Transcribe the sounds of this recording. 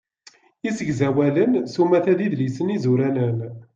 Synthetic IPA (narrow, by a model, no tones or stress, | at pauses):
isəɡzæwælənsumæθæðiðlisənizuɾænən